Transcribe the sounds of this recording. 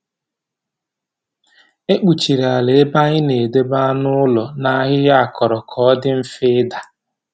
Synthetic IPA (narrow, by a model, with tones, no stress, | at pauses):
e˦k͡pu˨t͡ʃi˨ɾa˨le˨˦ba˦ɲɪ˦ne˨de˦ba˦nʊ˦ʊ˦lɔ˨na˦ɦɪ˦ja˦a˨kʰɔ˨ɾɔ˨kʰɔ˦dɪ˦m̩˦fɪ˦ɪ˦da˨